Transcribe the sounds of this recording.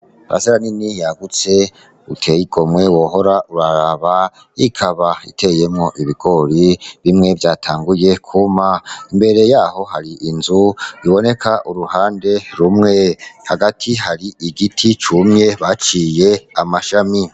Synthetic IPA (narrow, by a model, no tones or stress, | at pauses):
a̰ʔa̰seɾaninijaɡut͡se̞ | utʰe̞jiɡ̥o̞mŋwe̞wo̞ɦo̞ɾauɾaɾaβa | ikʰaβaḭtʰe̞je̞mŋo̞ʔiβiɡ̥o̞ɾiβimŋe̞vjaːtʰaːŋɡuje̞kʰumaimbe̞ɾe̞jaːho̞haɾiʔinzuiβo̞ne̞kʰaʔuɾuhaːnde̞ɾumŋe̞haɡatʰiɦaɾiʔiɡitʰit͡ʃumɲe̞βat͡ʃiːje̞amaʃami